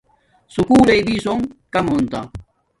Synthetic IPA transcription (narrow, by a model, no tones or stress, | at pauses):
sukuːlejbisoŋkamont̪a̰ŋ